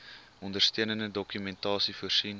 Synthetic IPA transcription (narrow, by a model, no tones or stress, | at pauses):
ɔndərstøənəndədɔkymɛntɑːsifuərsin